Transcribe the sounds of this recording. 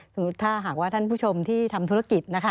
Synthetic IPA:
sʰɯ˨˩˦t̪ʰːaː˥˩ɦaː˨˩k̚waː˥˩t̪ʰa˥˩npʰuː˥˩t͡ɕʰo˧mt̪ʰiː˥˩t̪ʰa˧mt̪ʰu˦˥a˧˥ki˨˩t̪̚na˦˥kʰa˦˥

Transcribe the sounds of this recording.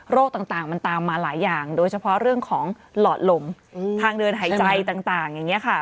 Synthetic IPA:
ɾoː˥˩k̚t̪aː˨˩ŋt̪aː˨˩ŋma˧nt̪aː˧mːaː˧laː˩˦jːaː˨˩ŋdoː˧jt͡ɕʰpʰɔ˦˥ʔɾɯ˥˩əŋkʰɔː˩˦ŋ | lɔː˨˩t̪̚lo˨˧m | tʰaː˧ŋdɤː˧nɦaː˩˦t͡ɕa˧jt̪aː˨˩ŋt̪aː˨˩ŋja˨˩ŋːi˦˥ɐkʰa˥˩

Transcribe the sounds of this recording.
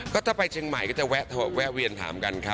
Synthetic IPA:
kɔː˥˩t̪ʰaː˥˩pa˧jt͡ɕʰɯː˧ŋma˨˩jkɔː˥˩t͡ɕa˨˩wɛː˦˥t̪ʰa˧w̚wɛː˦˥wi˧ənt̪ʰa̰ː˩˦mka˧nkʰa˦˥

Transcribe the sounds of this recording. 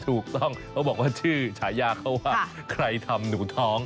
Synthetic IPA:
t̪ʰuː˨˩k̚t̪ɔ˥˩ŋkʰa˦˥wbɔː˨˩k̚waː˥˩t͡ɕʰɯː˥˩t͡ɕʰaː˩˦jaː˧kʰːa˦˥˩waː˥˩ | kʰɾa˧jt̪ʰa˧mnuː˩˦t̪ʰɔː˦˥ŋ

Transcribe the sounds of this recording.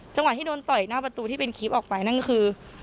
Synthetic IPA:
t͡ɕa˧ŋwt̪ʰːiː˥doː˧nt̪ɔ˨˩jnaː˥˩pa˧t̪uː˧t̪ʰiː˥˩pe˧nkʰiː˦˥p̚ʔɔː˨˩k̚pa˧jna˥˩˥kʰɯː˧

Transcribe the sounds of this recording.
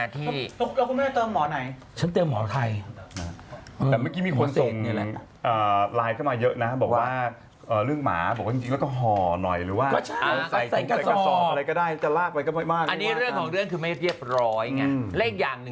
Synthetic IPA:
aː˧˩t̪ʰiː˩ɔ˧˦la˧wkʰu˧nmɛː˥˩t̪ɔː˧mɔː˩˦na˨˩˦j | t͡ɕʰa˦˥nt̪i˧əmːɔː˨˩˦t̪ʰa˧jna˦˥˧ɛː˨˩maː˥˩kiː˦˥miː˧kʰo˧nsso˨˩ŋ˧lɛ˧ | ʔəː˨˩laː˧jkʰa˥˩wmaː˧jɤ˦˥ʔna˦˥bɔː˨˩k̚waː˥˩ | ʔəː˨˩ɾɯ˥˩əŋma̰ː˩˦bɔː˨˩k̚waː˥˩t͡ɕi˧t͡ɕi˧lɛ˦˥kɔː˥˩ɦɔː˨˩nɔ˨˩jɾɯː˩˦waː˥˩ɔ˧t͡ɕʰa˦˥˧t͡ɕːa˨˩ja˧˨˩aː˥˩˨sɔː˨˦a˧ɾa˧jkɔː˥˩daː˥˩jt͡ɕa˨˩laː˥˩k̚wa˧jkɔ˥˩maː˥˩jmaː˥˩kʔa˧nːiː˦˥˦ɾɯ˥˩əŋkʰɔː˩˦ŋɾɯ˥˩əŋkʰɯː˧ma˥˩ɾi˥˩əp̚ɾɔː˦˥jŋa˧˩˧le˥˩ŋjaː˨˩ŋnɯ˨˩

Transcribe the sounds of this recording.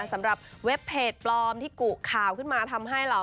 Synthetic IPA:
sa˩˦mɾa˨˩p̚we˦˥pʰːeː˨˩t̪̚plɔː˧mt̪ʰiː˥˩ku˨˩kʰaː˨˩wkʰɯ˥˩nmaː˧t̪ʰa˧mɦa˥˩jɾa˧

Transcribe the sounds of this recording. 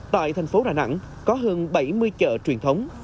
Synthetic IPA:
t̪a̰ː˧˨jt̪ʰɛ˨˩ŋ̟fo˨˦ɗaː˧˩na̰˧˥ŋ | kɔ˨˦ɦə˧nɓə˧˩jmɨ˧əjt͡ɕə̰ː˧˨t͡ɕwi˨˩ənt̪ʰə˨˦wŋ͡m

